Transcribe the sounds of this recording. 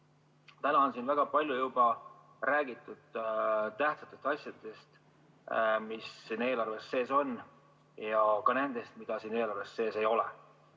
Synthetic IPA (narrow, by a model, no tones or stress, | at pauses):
t̪ænɑonsiːnvæɡ̥ɑpɑlʲjujub̥ɑ | ræːɡ̥it̪ːˑud̪̥t̪æht̪sɑ̥t̪ːˑest̪ɑsjɑd̪̥e̞st̪ | misːiːne̞ːlɑrve̞sːe̞ːso̞n | jɑkɑne̞nd̪e̞st̪mid̪̥ɑsiːne̞ːlɑrve̞sːe̞ːse̞jo̞lɛ̰